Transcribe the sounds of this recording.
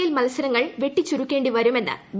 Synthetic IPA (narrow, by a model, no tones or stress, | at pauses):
jilmɐlɐsɐɾɐŋːɐɭʋe̞ʈːit͡ɕːuɾukʲːe̞ːɳɖiʋɐɾume̞nːɨ̰b